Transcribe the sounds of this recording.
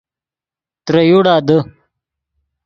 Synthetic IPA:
t̪ɾɐjuɽaːd̪ə

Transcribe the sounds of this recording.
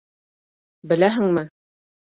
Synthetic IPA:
bɘ̆læɦɘ̆ŋmɘ

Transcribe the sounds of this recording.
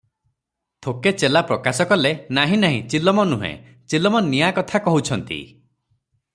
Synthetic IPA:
t̪ʰoket͡ʃelapɾɔkasɔkɔlenaɦĩnaɦḭ̃t͡ʃilɔmɔnuɦḛ̃ | t͡ʃilɔmɔnijakɔt̪ʰakɔɦut͡ʃʰɔnt̪ḭ

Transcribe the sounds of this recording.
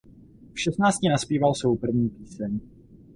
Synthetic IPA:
fʃɛstnaːt͡scinaspiːvalsvowpr̩vɲiːpiːsɛɲ

